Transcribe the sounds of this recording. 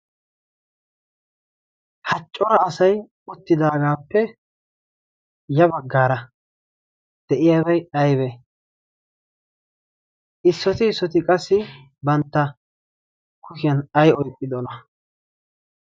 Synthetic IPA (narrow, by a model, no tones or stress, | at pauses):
hɐt͡ʃʼːɔɾɐːsɐj | ʊt̪ːɪd̪aːɡaːpːɛ | jɐbɐɡːaːɾɐ | d̪̥ɛʔɪjaːbɐjɐjbɛ | ʔɪsːɔt̪ɪːsːɔt̪ɪkʼɐsːɪ | bɐnt̪ːɐ | kʊʃɪjɐnɐjɔjkʼːɪd̪ɔnɐ